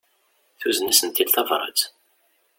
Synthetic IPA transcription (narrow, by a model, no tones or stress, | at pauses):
θuzənəsənt̪ːid̪θɑvɾˤɑ̰t͡s